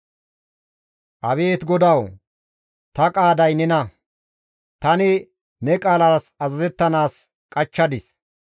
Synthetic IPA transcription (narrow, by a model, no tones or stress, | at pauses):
ʔɐβe̞ːt̪ɡɔd̪ɐw | t̪ɐkʼaːd̪ɐjnɛnɐ | t̪ɐnɪ | nɛkʼaːlɐɾsɐzɐzɛt̪ːɐnaːs | kʼɐt͡ʃːɐd̪ɪs